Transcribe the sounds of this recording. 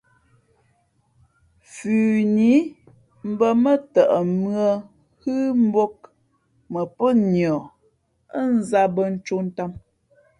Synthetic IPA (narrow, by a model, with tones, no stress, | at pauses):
fʉː˨ni˨˦ | m̩˦bə˦mə˦tə˨ʔə˨mɰə˦ | hɨ˦m̩˦bo˦k̚ | mə˨pə˦ɲjɔ˨ | ə˦n˦za˦bə˦n̩˦t͡ʃo˦n̩˦ta˦m